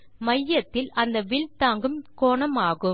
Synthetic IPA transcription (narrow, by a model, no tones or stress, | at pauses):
mɐjːɐt̪ːɪlɐnd̪ɐʋɪɭt̪aːŋɡɯmkoːɳɐmaːɣɯ